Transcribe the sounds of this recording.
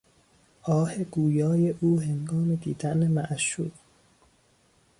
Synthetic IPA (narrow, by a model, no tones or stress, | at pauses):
ʔɒːhe̞ɡuːjɒːje̞ʔuːɦeŋɡɒːmed̪iːd̪ænemæʔʃṵːɾ